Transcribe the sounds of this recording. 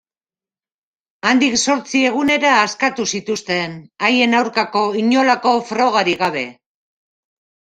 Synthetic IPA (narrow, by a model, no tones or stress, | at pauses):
and̪ikso̞ɾt͡sie̞ɣ̞une̞ɾaːskat̪usit̪ust̪e̞naje̞nawɾkako̞iɲo̞lako̞fɾo̞ɣ̞aɾiɣaβe̞